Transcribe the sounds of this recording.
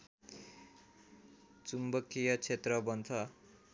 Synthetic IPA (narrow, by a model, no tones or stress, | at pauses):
t͡sumbʌkijʌt͡sʰet̪rʌbʌnt̪ʰʌ